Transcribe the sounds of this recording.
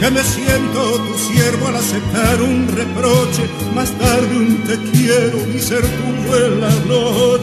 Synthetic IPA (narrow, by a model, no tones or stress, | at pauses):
kemesje̞nt̪ot̪usjeɾβoalasep̚t̪aɾunre̞pɾot͡ʃe̞ | mast̪aɾðeunt̪ekjeɾonise̞ɾt̪uenːalo